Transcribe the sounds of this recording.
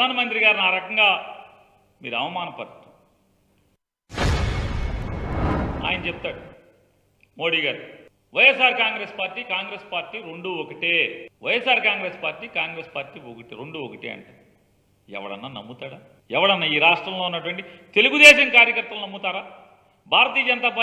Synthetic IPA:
aːnɐmɐnt̪ɾiɡaːɾinaːɾɐkɐŋɡaː | miːɾuɐʋɐmaːnɐpɐɾt̪u̥ | a̰ːjɐnɐt͡ʃep̚t̪aːɽu | mo̞ːɽiːɡaːɾu | ʋɐjɛsaːɾkaːŋɡɾe̞ːspaːɾʈːiːkaːŋɡɾe̞ːspaːɾʈːiːɾeɳɖuːokɐʈeːʋɐjesaːɾkaːŋɡɾe̞ːspaːɾʈiːkaːŋɡɾe̞ːspaːɾʈiːokɐʈiɾeɳɖuːokɐʈeːɐ̰ɳʈaː | ɛ̰ʋɐ̰ɽɐ̰nːaːnɐ̰mːut̪aːɽaː | ɛʋɐɽɐnːaːiːɾaːʂʈɾɐmlounːɐʈɐʋɐɳʈit̪e̞luɡud̪ɛːʃɐŋkaːɾjɐkɐɾt̪ʋɐlunɐmːut̪aːɾaː | bʱaːɾɐt̪iːɐd͡ʒɐnɐt̪aːpaː

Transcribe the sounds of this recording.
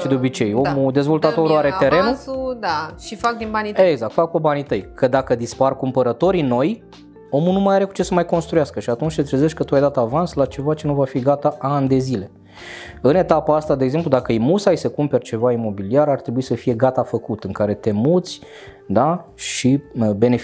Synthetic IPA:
ʃid̪eo̞bit͡ʃe̞jo̞mud̪e̞zvo̞lt̪at̪oɾuaɾet̪e̞ɾe̞nuud̪aʃifak̚d̪inbanieɡzakt̪fak̚pebanit̪əjkʰəd̪akəd̪isparkumpəɾət̪o̞ɾino̞j | o̞munumajaɾeku̥t͡ʃe̞səmajko̞nst̪ɾujaskəʃiat̪unʲt͡ʃʲt̪e̞t̪ɾezeʃtʲkət̪uajd̪at̪əavanslat͡ʃe̞vat͡ʃe̞nuvafiɡat̪aʔand̪e̞zile̞ | ɨne̞t̪apaast̪ad̪eeɡze̞mplud̪akəimusajsəkumpe̞rʲt͡ʃe̞vaimo̞biliaɾart̪ɾebuisəfije̞ɡat̪afəkut̪ɨŋkaɾe̞t̪e̞mut̪sʲ | d̪aʃibe̞nef

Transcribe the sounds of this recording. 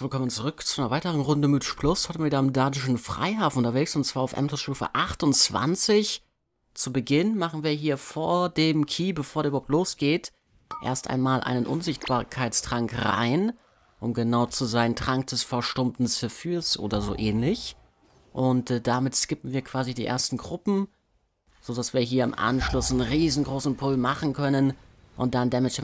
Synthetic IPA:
iɪlkʰɔmənt͡suʁʏkt͡su̥aɪnɐvaɪtəʁ̞ənʁʊndəmɪtʃplʊsɔtmviːɐɪmdaːdɪʃn̩fʁ̥a̰ɪɦaːfnʔʊntɐveːksʊntt͡sv̥aːɐaʊfʔɛ̰mtʰəsʃuːfə̰ʔaχtʊnt͡sv̥a̰nt͡sɪç | t͡subəɡɪnmaχn̩viːɐɦiːɐfoːɐdeːmkʰiːbəfoːɐdɛybahʊtloːsɡ̥eːt | ʔḛɐstʔa̰ɪnmaːlʔa̰ɪnənʔʊ̰nzɪçt̚b̥aːɐkʰaɪtt͡stʁ̥aŋkʁa̰ɪn | ʔʊmɡənaʊt͡suzaɪntʁ̥aŋk̚d̥ɛsfɛɐʃtʊmtn̩t͡sɪfysʔo̰ːdɐzo̰ːʔɛːnlɪç | ʔʊntːd̥amɪtskɪpm̩viːɐkv̥aːzidiːʔḛːɐstn̩ɡʁʊpm̩ | z̥odasv̥iːɐɦiːɐɪmʔa̰nʃlʊsʁiːzn̩ɡʁoːsn̩pʰʊlmaχn̩kʰœnən | ʔʊ̰nt̚d̥andɛmɪt͡ʃ

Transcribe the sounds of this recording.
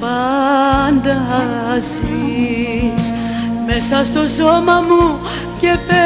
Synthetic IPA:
pɐ | nd̪ɐsi | s | me̞sɐst̪o̞so̞mɐmu | ce̞pe

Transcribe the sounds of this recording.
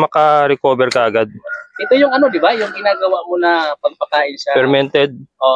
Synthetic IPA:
mɐkɐɾɛko̞ːbɛɾkɐʔɐɡad̪̚ʔɛt̪o̞jʊŋɐno̞d̪ɪbajʊŋɡɪnaːɡɐwaʔmonɐpɐɡ̚pɐkaːʔɪnʃapɛɾmɛnt̪ɛd̪̚ʔoː

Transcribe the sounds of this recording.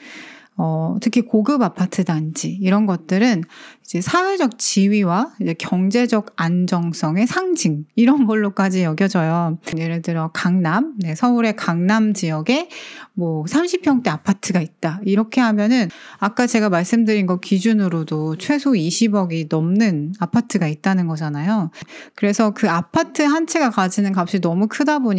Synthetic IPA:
ʌtʰɯkʰikoɡɯbapʰatʰɯdand͡ʑiːɾʌnɡʌt̚t͈ɯɾɯnid͡ʑe̞sʰawed͡ʑʌk̚t͡ɕiɥiwaid͡ʑe̞kjʌŋd͡ʑe̞d͡ʑʌɡand͡ʑʌŋs͈ʌŋe̞sʰaŋd͡ʑiŋiɾʌnɡʌɭːok͈ad͡ʑijʌɡjʌd͡ʑʌjoje̞ɾɯɭtɯɾʌkaŋnamne̞sʰʌuɾe̞kaŋnamd͡ʑijʌɡe̞mwʌsʰamɕʰipʰjʌŋt͈e̞apʰatʰɯɡait̚t͈aiɾʌkʰe̞ɦamjʌnɯnak͈at͡ɕe̞ɡamaɭs͈ɯmdɯɾinɡʌkid͡ʑunɯɾodot͡ɕʰwe̞sʰoiɕʰibʌɡinʌmnɯnapʰatʰɯɡait̚t͈anɯnɡʌd͡ʑanajokɯɾe̞sʰʌkɯapʰatʰɯɦant͡ɕʰeɡakad͡ʑinɯnkap̚ɕ͈inʌmukʰɯdaboɲ

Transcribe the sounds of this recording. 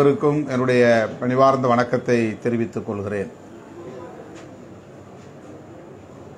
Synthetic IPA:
ɐɾɯkːɯmɛnrɯɽɐjɐʋɐnɪʋaːɾnd̪ɐʋɐɳɐkːɐt̪ːɐɪt̪ɛɾɪʋɪt̪ːɯkːɔɭɣɪreːn

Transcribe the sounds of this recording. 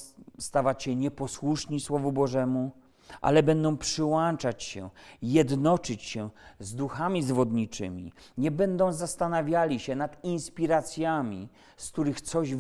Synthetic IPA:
st̪avat͡ɕɕɛɲɛpɔswuʂɲiswɔvubɔʐɛmu | ʔa̰lɛbɛnd̪ɔ̃w̃pʂɘwant͡ʂat͡ɕɕɛjɛd̪nɔt͡ʂɘt͡ɕɕɛzd̪uxamʲizvɔd̪ɲit͡ʂɘ̰mʲḭ | ɲɛbɛnd̪ɔ̃w̃zast̪anavʲjalʲiɕɛnat̪inspʲiɾat̪sʲjamʲi | sk̚t̪uɾɘxt̪sɔʑ

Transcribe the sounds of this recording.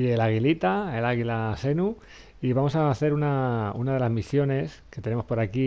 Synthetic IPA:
ielaɣilit̪aelaɣilase̞nu | iβamo̞saθe̞ɾunaunaðe̞lazmisjo̞ne̞ske̞t̪e̞ne̞mo̞spo̞ɾaki

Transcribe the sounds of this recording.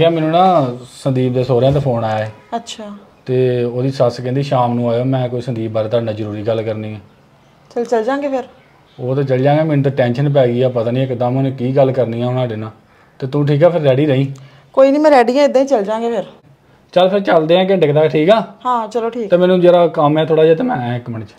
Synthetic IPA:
kɛːmɛːnũːnãːsənd̪iːb̚d̪eːsoːɾãːt̪eːpʰoːnaːjaːeːətːʃʰaːt̪eːoːd̪iːsəskɛ̃ːnd̪iːʃaːmnũːaːjoːmɛ̃ːkoːiːsənd̪iːbaɾt̪aːnãːzəɾuːɾiːɡəlːkəɾnĩːãː | t͡ʃəlt͡ʃəld͡ʒãːŋɡeːpʰɪɾ | oːt̪aːt͡ʃəld͡ʒãːɡeːmɛːnũːt̪aːʈɛ̃ːnʃənp̬ɛːɡiːaːpət̪aːnĩːɪkd̪əmonẽkiːɡəlkəɾniːãːoːnãːɖɪnãː | t̪eːt̪ũːʈʰiːkɛːpʰɪɾːɛːɽiːɾəĩː | koːiːnĩːmɛ̃ːɾɛːɖiːãːɪd̪ãːiːt͡ʃəld͡ʒãːŋɡeːpʰɪɾ | t͡ʃəlpʰɪɾt͡ʃəld̪eːãːk̬eɖɪkʰd̪aːʈʰiːkaːɦãːt͡ʃəloːʈʰiːkt̪eːmɛːnũːd͡ʒeːɾaːkəmɛːt̪ʰoːɽaːd͡ʒaːt̪eːmɛ̃ːɪkməɳt͡ʃ

